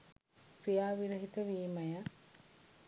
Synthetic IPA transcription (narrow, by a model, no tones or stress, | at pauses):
kɾijaːʋiɾəɦit̪əʋiːmɐjə